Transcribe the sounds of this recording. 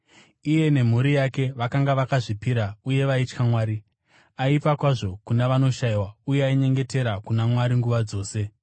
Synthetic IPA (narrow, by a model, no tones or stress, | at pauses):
ije̞ne̞m̤uɾijake̞ʋakaŋɡaʋakaʐipiɾauje̞ʋait͡ʃkamwaːɾi | aipakwaʐo̞kunaʋano̞ʃaiwaujeaiɲe̞ŋɡe̞te̞ɾakunamwaɾiŋɡuʋad͡zo̞ːse̞